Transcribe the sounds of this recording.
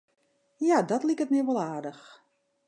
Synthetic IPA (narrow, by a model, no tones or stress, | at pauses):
jadɔtlikət̚mɛʋɔlˠaːdəx